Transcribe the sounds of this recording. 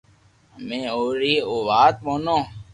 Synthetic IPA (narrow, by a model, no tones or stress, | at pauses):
mẽːoːɾiːoːʋaːt̪̚mõːnõː